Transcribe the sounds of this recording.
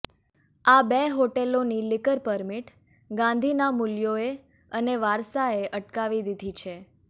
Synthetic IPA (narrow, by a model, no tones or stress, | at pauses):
abeɦoʈelonilɪkəɾpəɾmiʈ | ɡãnd̪ʱinamuljoe | əneʋaɾsaeʔəʈkaʋid̪id̪ʱit͡ʃʰe